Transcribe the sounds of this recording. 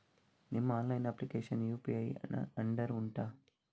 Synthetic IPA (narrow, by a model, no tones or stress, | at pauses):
nimːɐaːnlɐjnɐplikeːʃɐnjuːpiːɐjɐɳɖɐɾuɳʈaː